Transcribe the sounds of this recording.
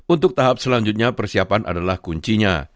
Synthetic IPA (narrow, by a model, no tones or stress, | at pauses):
unt̪ʊk̚t̪aɦap̚səlaɲd͡ʒʊt̪̚ɲapərsiapanʔa̰dalahkuɲt͡ʃiɲa̰